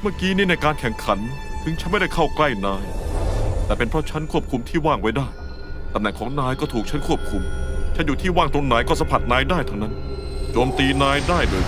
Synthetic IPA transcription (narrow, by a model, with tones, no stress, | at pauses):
mɯ˥˩kiː˦˥˩niː˥˩na˧jkaː˧nkʰɛ˨˩ŋkʰa˩˦n | t̪ʰɯ˧˥ŋt͡ɕʰnma˥˩jda˥˩jkʰa˥˩wkla˥˩jnaː˧j | t̪ɛː˨˩pe˧npʰɾɔ˦˥t͡ɕʰa˦˥nkʰu˥˩p̚kʰu˧mt̪ʰiː˥˩waː˥˩ŋwa˦˥˩jdaː˥˩j | t̪a˦˧mnɛ˨˩ŋkʰɔː˩˦ŋnaː˧jkɔː˥˩t̪ʰuː˨˩k̚t͡ɕʰa˦˥nkʰu˥˩əp̚kʰu˧mt͡ɕʰa˦˥njuː˨˩t̪ʰiː˥˩waː˥˩ŋt̪o˧ŋna˩˦jkɔː˥˩sa˧˦mpʰa˨˩t̪̚naː˧˥jdaː˥˩jt̪ʰa˥˩wna˦˥n | t͡ɕoː˧mt̪iː˧naː˧jdaː˥˩jlɤː˧